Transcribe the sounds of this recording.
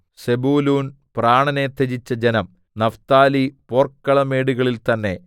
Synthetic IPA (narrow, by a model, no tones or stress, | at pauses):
sebuːluːn | praːɳɐnet̪ːed͡ʑit͡ɕːɐd͡ʑenɐm | nɐft̪aːliporkːɐɭɐmeːɽuɣɐɭilt̪ɐnːe̞̰